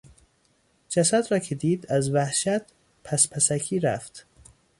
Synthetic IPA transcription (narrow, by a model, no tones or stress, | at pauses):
d͡ʒæsæd̪ɾɒːkʰed̪iːd̪æzvæhʃæt̪ | pʰæspʰæsækʰiːɾæ̰ft̪